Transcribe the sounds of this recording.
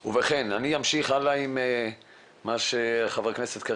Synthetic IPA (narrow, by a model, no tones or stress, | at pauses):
uveχenaniamʃiχalaime | maʃeaχavkneset̪ka